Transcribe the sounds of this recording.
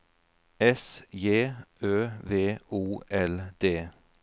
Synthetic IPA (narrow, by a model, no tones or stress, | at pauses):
ɛsjeːøːʋeːuːʔɛld̪̥eː